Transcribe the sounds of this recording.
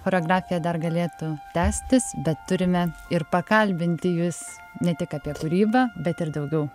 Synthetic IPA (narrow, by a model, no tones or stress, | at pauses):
xoːɾʲoːɡrɑːfʲɪjɛd̪ɐrɡɐlʲeːt̪ʊt̪ʲæːsʲt̪ʲɪsbʲɛt̪ːʊɾʲɪmʲɛɪrpɐkɐlʲbʲɪnʲt̪ʲɪjʊs | nʲɛt̪ʲɪkɑːpʲiɛkʊɾʲiːbɑːbʲɛt̪ɪrd̪ɐʊɡʲɛʊ